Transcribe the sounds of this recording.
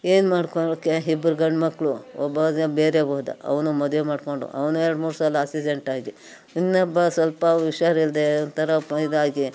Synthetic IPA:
eːnmaːɽkokːeɦibɾɡɐɳɖmɐkɭuɔbːɐɐbeːɾeboːd̪a̰ɐ̰ʋɐnumɐd̪ʋemaːɖkoɳɖṵʔɐ̰ʋnuɛɾɽmuːɾsaːlasid͡ʒeɳʈaːɡi | inːɐbːɐsʋɐlpɐʋiʃaːɾild̪ent̪ʰɐɾɐpɐid̪aːɡi

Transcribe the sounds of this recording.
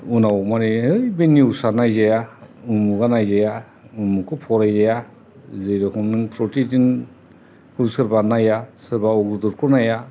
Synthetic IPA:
unawmanihɯjbeniɯwsaɾnajzajaumuɡanajzaja | umukʰɯpʰɔɾajzaja | zɯjɾɔkʰɔmnɯŋpʰɾɔtʰidin | hɯwsɯɾbanajasɯɾbaɔɡɾudɔɾkʰɔnaja

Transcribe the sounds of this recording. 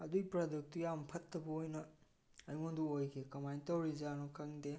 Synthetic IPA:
ɐduipɾaduk̚tujampʰɐtːɐbɐojnɐ | ɐjmonduojkʰekɐmajntɐwɾizanokʰɐŋde

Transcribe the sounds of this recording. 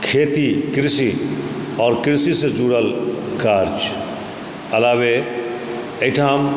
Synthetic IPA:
kʰeːt̪ikɾɪsi | ɔːɾkɾɪsised͡ʒuːɾəlkaːɾd͡ʒ | ɐlaːʋe | eʈʰaːm

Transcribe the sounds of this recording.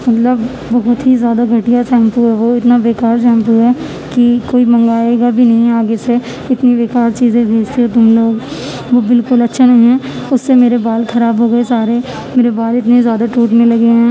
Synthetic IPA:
mɐt̪ləbː | ɐɦʊt̪ɦizjaːd̪aɡʱɐʈɪjasɛ̃ːmpuɦɛʋoɪt̪naʋeːkaːɾsɛ̃ːmpuɦɛː | kikoːimɐ̃ŋɡaːeːɡabʱinɐɦĩaːɡese | ɪt̪niʋeːkaːɾt͡ʃiːzẽbʱeːd͡ʒt̪eɦot̪̬ʊmloːɡ | ʋoːbɪlkʊlɐtːʃʰanɐɦĩɦɛ̃ːʊsːemeːɾebaːlxʰɐɾaːbɦoːɡɐesaːɾe | meːɾebaːlɪt̪nezjaːd̪aʈɾuːʈmẽlɐɡeɦɛ̃ː

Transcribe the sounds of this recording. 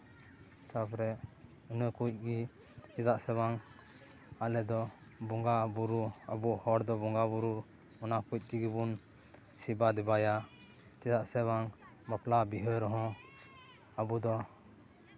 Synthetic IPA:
t̪apɾɛ | ənəkuc̚ˀɡi | t͡ʃɛt̪aʔsɛbaŋ | alɛd̪ɔ | bɔŋɡabuɾuabuhɔɾd̪ɔbɔŋɡabuɾu | mɔnakuc̚ˀt̪iɡibun | sibad̪ɛbaja | t͡ʃɛt̪aʔsɛbaŋ | maplabiɦəɾɔɦɔ̃ | abud̪ɔ

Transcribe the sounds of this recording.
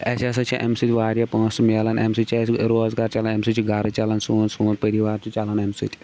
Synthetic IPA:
ɐsasɐt͡ʃʰĩʔemsit̪ʲiʋaːɾjapə̃ːsmɐlɐnemsit͡ʃʰːsɾoːzɡɐɾt͡ʃalɐnemsit͡ʃiɡɐɾt͡ʃalɐnsũːnsuːnd̪pɐɾiʋaːɾt͡ʃʰut͡ʃalɐnemsḭt̪ʲʰi̥

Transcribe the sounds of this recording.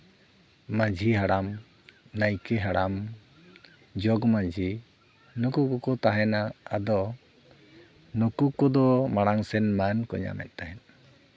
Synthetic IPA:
mad͡ʒʱiɦaɽam | najkɛɦaɽam | d͡ʒɔɡmad͡ʒʱi | nɔkukɔkɔt̪aɦɛnaːd̪ɔ | nɔkukɔd̪ɔmaɽaŋsɛnmankɔ̰ɲa̰mɛ̰t̪̚ˀt̪aɦɛn

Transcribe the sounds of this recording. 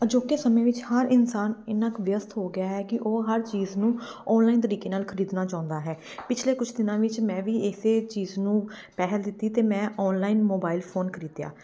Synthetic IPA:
d͡ʒoːkesəmẽːʋɪt͡ʃhəɾɪnsaːnɪnãːkʋjəst̪ɦoːɡɪjaːɦɛːkɪʔoːɦəɾt͡ʃiːznũːɔːnlaːiːnt̪əɾiːkeːnaːlkʰəɾiːd̪naːt͡ʃãːʊnd̪aːɦɛːpɪt͡ʃʰleːkʊt͡ʃʰd̪ɪnãːʋɪt͡ʃmɛ̃ːʋiːeseːt͡ʃiːznũː | pɛːɦəld̪ɪt̪ːiːt̪eːmɛ̃ːʔɔːnlaːinmoːbaːilpʰoːnkʰəɾiːd̪ja̰ː

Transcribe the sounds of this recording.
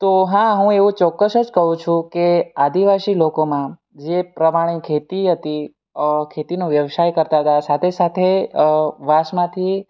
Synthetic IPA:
t̪oɦãɦũeʋũt͡ʃɔkːəsəd͡ʒkəɦũt͡ʃʰũkead̪iʋasilokomã | d͡ʒepɾəmaɽ̃ekʰet̪iɦət̪i | kʰet̪inũʋjəʋʃajkəɾt̪aɦət̪asat̪ʰesat̪ʰe | ʋaʃmãt̪ʰi

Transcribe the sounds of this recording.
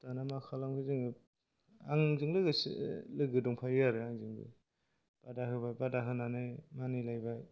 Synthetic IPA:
tanamakʰalamkʰɯzɯŋɯ | a̰ŋzɯŋlɯɡɯslɯɡɯdɔŋpʰajɯjaɾɯaŋzɯŋbɯ̰ | b̥adaɦɯbajbadaɦɯnanajmanilajbaj

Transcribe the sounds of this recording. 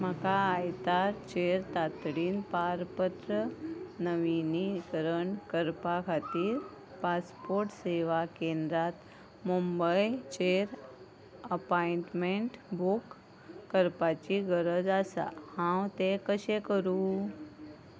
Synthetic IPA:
m̤əkaːjt̪aɾt͡ɕeɾt̪at̪ɽiːnpaɾpət̪ɾənəʋinikəɾəɳkəɾpakʰat̪iːɾ | paspoɾʈseʋakend̪ɾat̪ | mumbəjt͡ɕeɾ | əpaiɳʈmeɳʈbʱukː | əɾpat͡ɕiɡəɾəd͡zasa̰hãwt̪ekəɕekəɾu

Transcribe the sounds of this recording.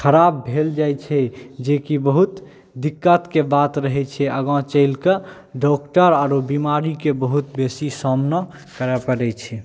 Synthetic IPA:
kʰəɾabbʱeld͡ʒajt͡ʃʰɛd͡ʒekibəɦut̪ | d̪ikːət̪kebat̪ɾəɦɛt͡ʃʰɛəɡɔ̃t͡ʃəɪlkə | ɖɔkʈəɾaɾobimaɾikebəɦut̪besisɔmnə | kəɾɛpəɾɛt͡ʃʰɛ

